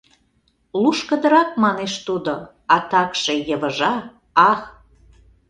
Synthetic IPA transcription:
luʃkə̆d̪ə̆ɾɑk̚mɑneʃt̪ud̪o | ɑt̪ɑkʃejəβəʒɑ | ɑx

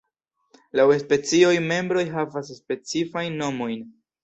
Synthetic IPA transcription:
lawespe̞t͡sio̞jme̞mbɾo̞jɦavas̬ːpe̞t͡sifajnːo̞mo̞jn

